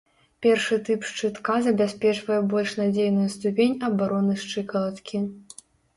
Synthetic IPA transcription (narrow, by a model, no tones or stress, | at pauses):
pʲɛrʂɨt̪ɨpʂt͡ʂɨt̪kazɐbʲasʲpʲɛt͡ʂvɐjɛbɔlʲʂnad͡zʲejnujust̪upʲenʲɐbaɾɔnɨʂt͡ʂɨkɐlˠɐt̪kʲʰi